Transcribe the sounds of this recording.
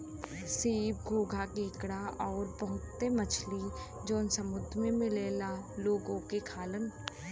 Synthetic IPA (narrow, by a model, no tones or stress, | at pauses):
seːbɡʱoːɡʱakeːkɽaʔɔːɾbəɦʊt̪ːemət͡ʃʰli | d͡ʒoːnsəmʊd̪ʱmẽmɪleːlaloːɡõkekʰaːlən